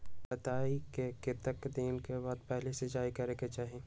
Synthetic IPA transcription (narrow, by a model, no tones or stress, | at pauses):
bɐt̪aːikeket̪ɐkd̪iːnkebɐd̪̚pɛɦlesed͡ʒaːikɐɾeket͡ʃaːɦẽː